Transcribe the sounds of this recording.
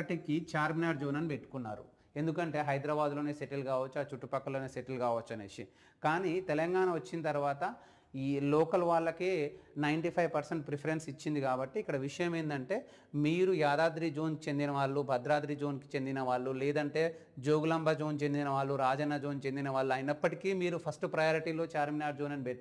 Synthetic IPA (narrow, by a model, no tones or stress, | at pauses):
ɐʈikit͡ʃaːɾminaːɖd͡ʒoːnɐnipe̞ʈːu̥kunːa̰ːɾṵ | e̞nd̪ukɐɳʈe̞ːɦɐjd̪ɾɐbaːd̪lo̞ːne̞ːseʈilkaːʋɐt͡ʃːuaːt͡ʃuʈːupɐkːɐlo̞ːne̞ːseʈilkaːʋɐt͡ʃːɐnḛʃi | kaːnit̪ɛlɐŋɡaːnɐʋɐt͡ʃːinɐt̪ɐɾuʋaːt̪ɐ | ilɔːkɐlʋaːɭːɐkeːnɐjɳʈipʰɐjʋpɐɾseɳʈ̚pɾipʰɐɾensit͡ʃːind̪ikaːbɐʈːiːkːɐɽɐʋiʂɐjɐmeːnd̪ɐɳʈe̞ː | miːɾujaːd̪aːd̪ɾid͡ʒo̞ːnkit͡ʃe̞nd̪inɐʋaːɭːubʱɐd̪ɾaːd̪ɾiːd͡ʒo̞ːnki̥t͡ʃe̞nd̪inɐʋaːɭːulɛːd̪ɐɳʈe̞ː | d͡ʒoːɡulɐmbʱɐd͡ʒo̞ːnt͡ʃe̞nd̪inɐʋaːɭːuɾaːd͡ʒɐnːɐd͡ʒo̞ːnt͡ʃe̞nd̪inɐʋaːɭːuaːjinɐpːɐʈikiːmiːɾupʰɐsʈpɾɐjoːɾiʈiːlo̞ːt͡ʃaːɾminaːɾd͡ʒoːnɐnibe